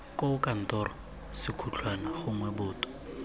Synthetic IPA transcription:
kʼokʼan̩tɔrɔ | sɪkʰut͡ɬʰwanaχʊŋwɛbʊːtʼɔ̥

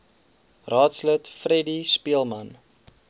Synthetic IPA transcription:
rɑːtslətfrɛdispiəlˠmɐn

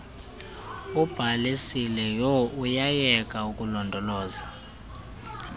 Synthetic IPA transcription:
ub̥ʱalisilɛjɔujajɛkʼaukʼulɔndʱɔlɔːza

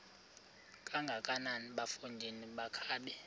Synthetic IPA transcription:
kʼaŋɡʱakʼananiɓafund͡ʒʱeniɓakʰaːɓɛ

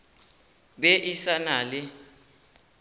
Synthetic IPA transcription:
ɓɛʔisanaːlɪ

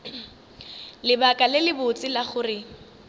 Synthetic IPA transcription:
lɪbakʼalɪlɪbʊt͡sʼɪlaχʊrɪ

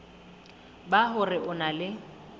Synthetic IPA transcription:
baɦʊrɪʔʊnalɪ

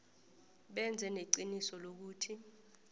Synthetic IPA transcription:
ɓɛnd͡zʱɛneǀinisɔlok̬uːtʰi

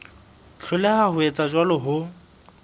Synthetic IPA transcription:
t͡ɬʰʊlɛhahʊet͡sʼad͡ʒwalɔɦʊ

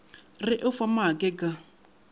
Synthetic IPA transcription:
rɪʔɪfamakʼɛkʼa

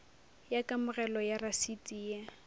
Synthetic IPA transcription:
jakʼamʊrɛlɔjarasitʼiːja

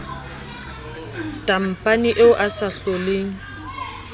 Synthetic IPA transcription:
tʼam̩pʼaniʔeʊʔasaɬoleːŋ̩

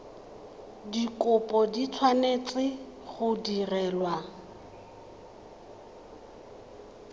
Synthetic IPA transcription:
dikʊpʼɔdit͡sʰwanet͡sʼɪ | χʊdirɛːlwa

